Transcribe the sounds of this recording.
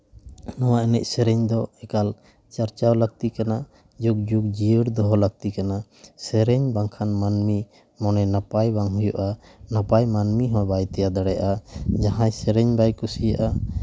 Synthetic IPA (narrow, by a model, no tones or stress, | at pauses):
nɔwaʔɛnɛ̰c̚sɛɾɛɲd̪ɔɛkal | t͡ʃaɾt͡ʃawləɡ̚t̪ikana | d͡ʒuk̚d͡ʒuk̚d͡ʒiəɾd̪ɔɦɔləɡ̚t̪ikana | sɛɾɛɲbaŋkʰanmanmi | mɔnɛnapajbaŋɦujuʔa | napajmanmiɦɔ̃bajt̪ɛjad̪aɽɛaʔad͡ʒaɦãjsɛɾɛɲbajkusijaʔa